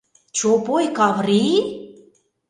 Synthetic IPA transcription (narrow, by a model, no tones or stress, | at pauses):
t͡ɕopojkɑvri